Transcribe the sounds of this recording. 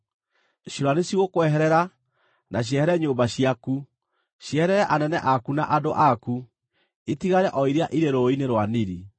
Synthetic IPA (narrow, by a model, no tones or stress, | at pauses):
ɕiɾwaneɕiɣokwɛɦɛɾɛɾa | naɕ̬jɛhɛɾɛɲoːmbaɕiaku | ɕjɛhɛɾɛɾɛʔanɛnɛʔakunaʔadoʔaku | etiɣaɾɛʔɔiɾeaʔiɾeɾoineɾwaniɾi